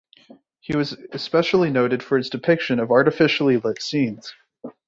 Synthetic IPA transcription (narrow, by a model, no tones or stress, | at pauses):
hiwʌzɨspɛʃl̩ˠinoʊɾɨd̥fə˞ɨtsd̥ɨpʰɪkʃɨ̃nʌvɑɹɾɨfɪʃl̩ˠilɪtsĩnz̥